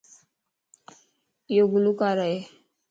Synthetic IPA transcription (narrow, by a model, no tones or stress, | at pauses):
joɡulukaɾae